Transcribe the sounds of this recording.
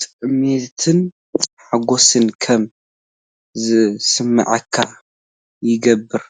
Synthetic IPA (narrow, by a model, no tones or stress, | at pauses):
t̪ʼɨʔmet̪ʰɨn | ħaɡosɨnkʰɐm | zɨsɨmːɨ̰ʕɐkʰːa̰ | jɪɡɐbːɨɾ